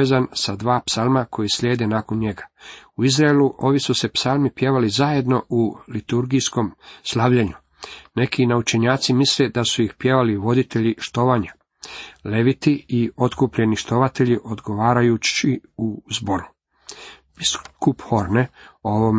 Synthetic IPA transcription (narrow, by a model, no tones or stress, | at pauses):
ezansad̪ʋaːpsalˠmakʰo̞jisʎʲe̞ːd̪e̞naːko̞nɲe̞ɡḁuizɾaeluʔo̞ʋisuse̞psalˠmipje̞ʋalizaje̞d̪no̞ʔulit̪uɾɡijsko̞mslˠaːʋʎaɲu | ne̞kʰinaut͡ʃe̞ɲaːt̪simisle̞d̪asuixpje̞ʋaliʋo̞d̪it̪e̞ʎiʃt̪o̞ʋaɲa | le̞ʋit̪iio̞t̪kupʎe̞niʃt̪o̞ʋat̪e̞ʎiʔo̞d̪ɡo̞ʋaːɾajut͡ɕiuzbo̞ɾu | b̥iskupxoɾneo̞ʋom